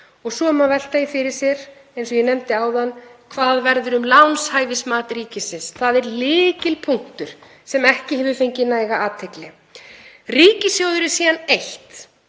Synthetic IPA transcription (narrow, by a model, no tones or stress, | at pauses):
ɔɣsɔːmavɛl̥t̪ajɪfɪɾɪɾ̥sjɛɾ | ejnsɔjɛnɛmt̪ɪaːwðanːkʰvaːðvɛɾðʏɾʏmlawnshaːjvɪsmaːt̪riːcɪsɪnsθaðɛɾlɪːcɪlpʰuŋ̥kt̪ʏɾ̥ | sɛmɛhcɪhɛːvʏɾfejɲcɪnaːjɣaʔaːt̪ʰɛklɪ | riːcɪsjoːwðʏɾɪ̥siːðanejht̪